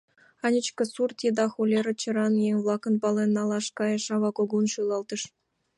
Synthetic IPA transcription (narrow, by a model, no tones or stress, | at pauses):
ɑnʲɘt͡ɕkʲɤ̆surt̪ʲed̪ɑxulʲeɾɘ̆t͡ɕɤ̆ɾɑnjeŋvlˠɑkɤ̆npɑlʲˠenːɑlˠɑʂkɑjɤ̆ʂɑʋɑkoɡunʃulˠɑlˠt̪ɤ̆ʂ